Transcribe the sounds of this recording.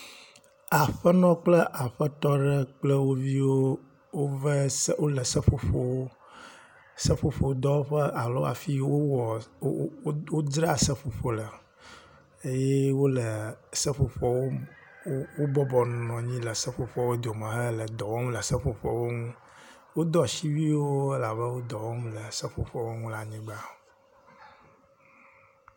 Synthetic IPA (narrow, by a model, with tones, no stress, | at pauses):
a˨ɸə˦nɔ̃˦k͡plə˦ʔa˨ɸə˦t̪ɔ˦ɖə˦k͡plə˦wo˦vi˦wo˦ | wo˦və˦swo˦lə˨sə˦ɸo˨ɸo˦˨wo˦ | sə˦fo˨fo˨˦d̪ɔ˦wo˦ɸə˦ʔa˨lo˦a̰˨fi˦wo˦wɔ˨˦ | wo˦d̪ɾa˦˨sə˦fo˨ɸo˨lə˨ | e˦jɛ˦wo˦lə˨sə˦fo˨ɸɔ˨˦wo˦ | wo˦bɔ˦bɔ˨nnɔ̃˨ɲĩ˦lə˨sə˦fo˨ɸɔ˨wo˦d̪o˨mə̃˨ɦə˦lə˨d̪ɔ˨wɔ˦mlə˨sə˦ɸo˨ɸɔ̰˨wo˦ŋũ˦ | wo˦d̪ɔ˦ʃi˦vi˦wo˦e˦la˨βə˦wo˦d̪ɔ˨wɔ˦mlə˨sə˦ɸo˨ɸɔ˨wo˦ŋũ˦la˦ɲĩ˦ɡ͡ba˦